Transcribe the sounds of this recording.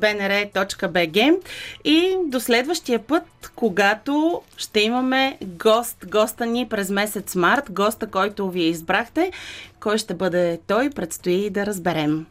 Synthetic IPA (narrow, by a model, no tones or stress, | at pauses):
bɛnɛɾɛt̪ɔt͡ʃkəbɛɡɛid̪oslɛd̪vəʃt̪iəpɤt̪koɡat̪oʃt̪ɛimɐmɛɡɔst̪ɡɔst̪ənipɾɛzmɛsɛt̪smaɾt̪ɡɔst̪əkɔjt̪ʊviɛizbɾaxt̪ɛkɔjʃt̪ɛbɤd̪ɛt̪ɔjpɾɛt̪st̪oiːd̪ɐɾəzbɛɾɛm